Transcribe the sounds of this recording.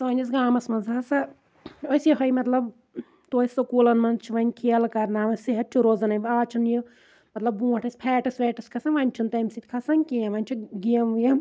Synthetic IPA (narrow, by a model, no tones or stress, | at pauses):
sɐːnʲɐs̬ɡaːmɐsmɐnzaːsɐ | osjiɦɐjmɐt̪lɐb | t̪oːisokuːlɐnmɐnzt͡ʃʰiʋɐnʲkʰiɐlkɐɾnaːʋɐsiɦɐt̪̚t͡ʃʰuɾoːzɐnɐʋaːt͡ʃʰunju | mɐt̪lɐbːũːɐʈʰɐsʲpʰɛːʈɐsʋɛːʈɐskʰɐsɐnʋɐnʲt͡ʃʰunt̪ɐmsit̪ʲkʰasɐnʲkiɐ̃ʋɐnʲt͡ʃʰuɡiɐmjɐ